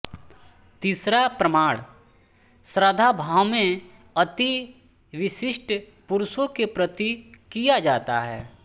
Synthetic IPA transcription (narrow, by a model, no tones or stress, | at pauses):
t̪iːsɾapɾəmaːɽ | sɾəd̪ʱabʱaːʋmẽ | ɐt̪i | ʋɪʃɪʃʈʰ | pʊɾʊsõkepɾət̪ikijad͡ʒaːt̪a̰ɦɛ̰ː